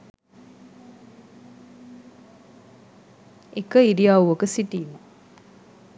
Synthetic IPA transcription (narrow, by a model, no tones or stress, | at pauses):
ekəiɾijaːuʋokəsiʈiːmə